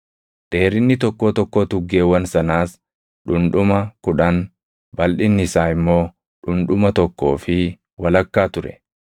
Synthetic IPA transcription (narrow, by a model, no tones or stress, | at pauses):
d̪̥e̞ːɾɪnːɪt̪ɔkːo̞ːt̪ɔkːoːt̪ʊɡːe̞ːwɐnsɐnaːs | ᶑʊnᶑʊmɐkʊᶑɐn | bɐlᶑɪnːɪsaːɪmːo̞ː | ᶑʊnᶑʊmɐt̪ɔkːo̞ːfɪ | wɐlɐkːaːt̪ʊɾɛ̰